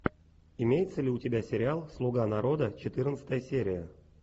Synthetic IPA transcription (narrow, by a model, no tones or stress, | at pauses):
ɪmʲejɪt̪səlʲɪʊtʲɪbʲasʲɪɾʲɪalˠslˠuɡanaɾo̞d̪ət͡ɕɪt̪ɨrnət̪sə̥t̪əjəsʲeɾʲɪjə